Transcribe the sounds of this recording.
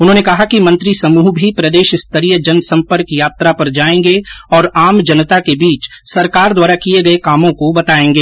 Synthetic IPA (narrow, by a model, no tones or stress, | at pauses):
ʊnɦõːnekɐɦakimɐ̃nt̪ɾisɐmuːɦbʱipɾɐd̪eːʃɪst̪əɾijəd͡ʒɐnsɐ̃mpəɾkjaːt̪ɾapɐɾd͡ʒaːẽːŋɡeɔːɾaːmd͡ʒɐnət̪akebiːt͡ʃsɐɾkaːɾd̪waːɾakieɡɐekaːmõkobɐt̪aːẽːŋɡeː